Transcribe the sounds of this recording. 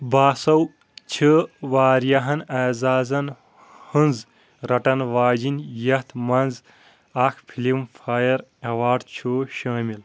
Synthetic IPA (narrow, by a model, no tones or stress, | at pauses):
baːsɐw | t͡ʃʰɨʋaːɾjɐɦɐnaːzaːzɐn | hɨnz | ɾɐʈɐnʋaːd͡ʒinjɐht̪ʰmɐnz | ɐkʰpʰilimfʰaːjɐɾɐʋaːɖt͡ʃʰoːʃɐːmil